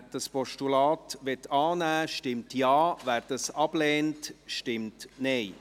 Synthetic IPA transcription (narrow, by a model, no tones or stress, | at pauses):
d̥ɑspɔʃtulɑːtʋɛtːɑːnæːʃtɪmtjɑːvæːɾd̥ɑsɑb̥lɛːntʃtɪmtneɪ